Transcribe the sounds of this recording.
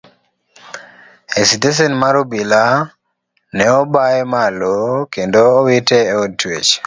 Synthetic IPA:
esites̬enmaɾobila | nɛɔbaɛmalokendoːwitɛotwet͡ʃ

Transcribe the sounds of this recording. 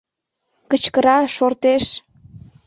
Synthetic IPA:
kət͡ɕkəɾɑʃort̪eʃ

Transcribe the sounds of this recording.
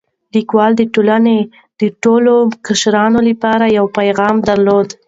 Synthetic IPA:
likwɑld̪əʈolane | d̪̥əʈolokəʃɾɑnoləpɑɾajawpajɣɑmd̪aɾlod̪

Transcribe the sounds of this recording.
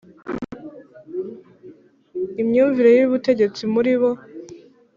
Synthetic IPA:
imɲuːɱviɾo̞jiβute̞ɟe̞t͡simuɾiβo̞

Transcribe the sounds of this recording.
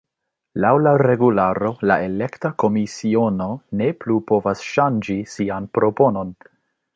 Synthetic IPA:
lawlaɾe̞ɡulaɾo̞laʔe̞le̞ktako̞misio̞no̞ne̞plupo̞vasʃand͡ʒisianpɾo̞po̞no̞n

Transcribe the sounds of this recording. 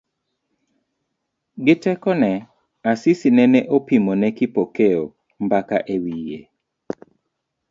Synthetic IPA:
ɡɪtɛkɔnɛ | asisinɛnɛʔopimonɛkɪpokeo̰ | mbakaʔewijḛ

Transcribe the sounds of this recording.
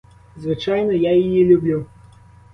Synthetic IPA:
zvɨt͡ʂajnɐjajijɛlʲubʲlʲu

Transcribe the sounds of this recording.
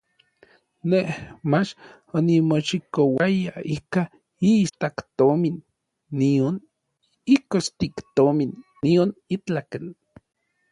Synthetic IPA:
nehmat͡ʃ | onimoʃikowajaika | ist̪akt̪ominː | ion | ikost̪ikt̪ominː | ionit͡ɬaken

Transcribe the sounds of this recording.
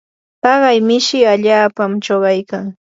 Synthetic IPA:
pɑɢɑjmɪʃɪaʎaːpamt͡ʃoɢɑjkaŋ

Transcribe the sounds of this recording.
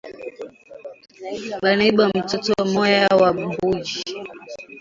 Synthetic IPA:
ɓanaiɓam̩tɔtɔamɔjawaɓumbud͡ʒi

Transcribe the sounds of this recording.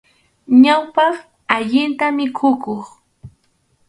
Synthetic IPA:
ɲawpɑχ | aʎɪnt̪amɪkʰʊkoχ

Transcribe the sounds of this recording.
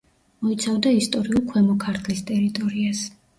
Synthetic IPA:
mɔit̪sʰavd̪aist̪ʼɔɾiulˠkʰwɛmɔkʰaɾt̪ʰlist̪ʼɛɾit̪ʼɔɾias

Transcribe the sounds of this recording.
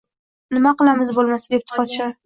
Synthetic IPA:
nɪmaqɨlˠamɪzbolˠmasad̪e̞p̚t̪ʰʊ̥pɒt̪ʃa

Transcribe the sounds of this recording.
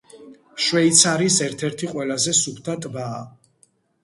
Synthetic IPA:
ʃwɛit̪sʰaɾisɛɾt̪ʰɛɾt̪ʰiqʼwɛlazɛsupʰt̪ʰat̪ʼbaː

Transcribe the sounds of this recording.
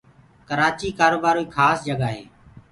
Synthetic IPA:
kəɾaːt͡ʃiːkaːɾoːbaːɾoiːkʰaːsd͡ʒəɡaːɦḛː

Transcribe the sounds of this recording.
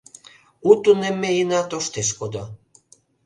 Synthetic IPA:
ut̪unemːeinɑt̪oʃt̪eʃ̬kod̪o

